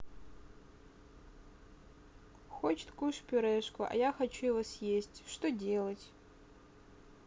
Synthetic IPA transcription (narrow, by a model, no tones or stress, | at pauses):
xot͡ʃt̪kuʂpʲʊɾɛʂkʷʰʊʔa̰jaxat͡ʃujɪvosjesʲtʲʂt̪odʲelˠɐtʲ